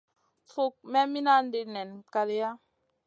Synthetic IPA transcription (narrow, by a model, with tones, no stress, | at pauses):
fo˦k̚mɛ˦mi˦na˦n̩˦de˨nɛ˨nka˨le˦ja˦